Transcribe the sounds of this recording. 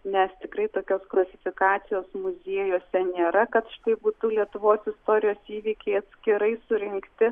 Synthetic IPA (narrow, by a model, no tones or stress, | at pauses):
nʲɛst̪ʲɪkɾɐɪt̪oːkʲoːsklˠɐsʲɪfʲɪkɑːt̪sʲɪjoːsmʊzʲiːjoːsʲɛnʲeːɾɐkɐt̪ʃɪ̥t̪ɐɪbuːt̪ulʲiɛt̪ʊʋoːsɪst̪oːɾʲɪjoːsiːʋʲiːkʲɛɪɐt̪ʲsʲkʲɪɾɐɪsʊɾʲɪŋkt̪ʲɪ